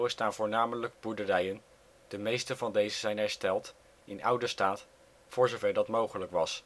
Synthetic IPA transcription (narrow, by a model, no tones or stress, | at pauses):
wəstaːnvʊːɹnaːmələɡ̚buɹdərɛjən | d̥əmejstənvɑndejzəzɛjnɦɛɹstɛlˠt | ɪnʔʌwdəstaːt | fʊːɹzovɛɹdɑtmowχələkʋɑs